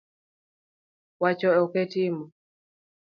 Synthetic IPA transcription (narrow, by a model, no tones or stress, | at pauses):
wat͡ʃɔɔkɛtimɔ